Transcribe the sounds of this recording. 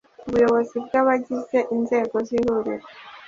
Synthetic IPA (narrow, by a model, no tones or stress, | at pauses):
uβujoβoziβɡaβaɟizeʔinzeɡoziɾuɾḭɾe